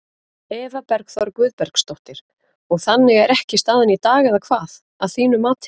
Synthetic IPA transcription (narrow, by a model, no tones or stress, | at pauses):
ɛːvapɛɾkθvɔɾʏkvʏːðpɛɾkst̪owht̪ɪɾ̥ | ɔɣθanːɪɣɛɾɛhcɪst̪aːðɪnit̪aːɣɛðakʰvaːð | aðθiːnʏmaːt̪ʰ